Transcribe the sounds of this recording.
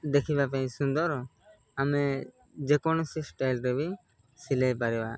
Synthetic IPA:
d̪ɛkʰibapɛ̃ɲsund̪ɔɾɔ | amɛ | d͡ʒɛkɔnɔsisʈajlɾɛbʱi | silɛjpaɾɛwa̰

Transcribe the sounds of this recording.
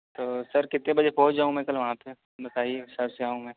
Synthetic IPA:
t̪oːsɐɾkɪt̪nẽbɐd͡ʒebɔːtd͡ʒaːũmɛ̃ːkɐlʋɐɦãpe | bɐt̪aːieɦɪsaːbseaːũmɛ̃ː

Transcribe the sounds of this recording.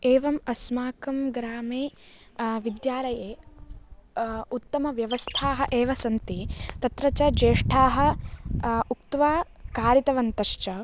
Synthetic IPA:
eːʋɐmɐsmaːkɐmɡɾaːmeː | ʋid̪jaːlɐjeː | ut̪ːɐmɐʋjɐʋɐst̪ʰaːɦɐ̆ʔeːʋɐsɐnt̪it̪ɐt̪ɾɐt͡ʃɐd͡ʒeːʂʈʰaːɦɐ̆ | uk̚t̪ʋaː | kaːɾit̪ɐʋɐnt̪ɐʃt͡ʃɐ

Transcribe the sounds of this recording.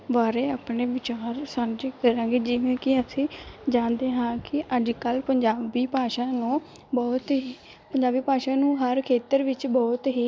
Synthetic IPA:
ʋaːɾeːaːpɳeːʋɪt͡ʃaːɾsand͡ʒikəɾãːɡeːd͡ʒɪʋẽːkɪəsĩːd͡ʒãːnd̪eːɦãːkɪʔəd͡ʒkəlpəɲd͡ʒaːbiːpaːʃaːnũː | bɔːt̪ɦiː | pəɲd͡ʒaːbiːpaːʃaːnũːɦəɾkʰeːt̪əɾʋɪt͡ʃbɔːt̪ɦiː

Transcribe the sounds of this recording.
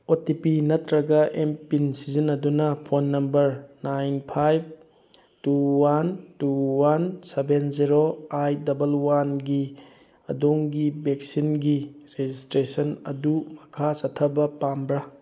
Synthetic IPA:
otipinɐtɾɐɡɐʔempinsizinːɐdunɐpʰonːɐmbɐɾnajnpʰajb̚ | tuwantuwansebenziɾoajdɐbɐlwanɡi | ɐ̰doŋɡibek̚sinɡiɾezistɾesɐnɐ̰dumɐkʰasɐtʰːɐbɐpambɾɐ

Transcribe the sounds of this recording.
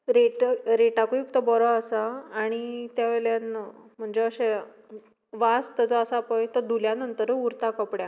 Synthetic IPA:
ɾeʈɾeʈakuipt̪əbɔɾɔəsaːɽ̃it̪jaʋeljanm̤əɳd͡zeəɕe | ʋast̪əd͡zɔəsapəjt̪əɾd̪uljanənt̪əɾuɾt̪akəpɽja

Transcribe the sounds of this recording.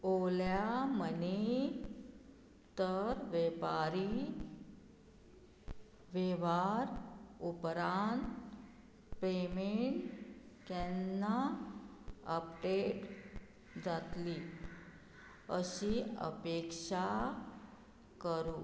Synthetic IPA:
oljaməne | t̪əɾʋepaɾi | ʋeʋaɾupɾant̪ | pemeɳʈkɛnːa | əpɖeʈ | d͡zat̪li | əɕiə̰pekʂa | kəɾu

